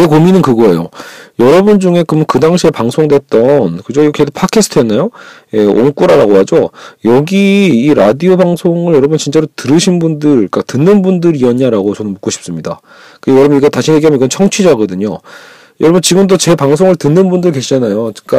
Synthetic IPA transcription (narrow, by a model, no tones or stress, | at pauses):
jekominɯnkɯɡʌe̞̰jo̰jʌɾʌbund͡ʑuŋe̞kɯmkɯdaŋɕʰiepaŋsʰoŋdwe̞t̚t͈ʌnkɯd͡ʑoikʰedopʰakʰesʰɯ̥tʰɯɦenːajoje̞o̰nk͈uɾaɾaɡoɦad͡ʑojʌɡiːɾadiobaŋsʰoŋɯɭjʌɾʌbunt͡ɕint͡ɕ͈aɾotɯɾɯɕʰinbundɯɭk͈atɯnːɯnbundɯɾiʌɲaɾaɡot͡ɕʌnɯnmuk͈oɕʰi̥p̚s͈ɯmɲida̰ | kɯejʌɾʌbuniɡʌtaɕʰije̞ɡiamjniɡʌnt͡ɕʰʌŋt͡ɕʰid͡ʑaɡʌdɯɲo̰ | jʌɾʌbunt͡ɕiɡɯmndot͡ɕe̞paŋsʰoŋɯɭtɯnːɯnbundɯɭke̞ɕʰid͡ʑanajot͡ɕiŋk͈a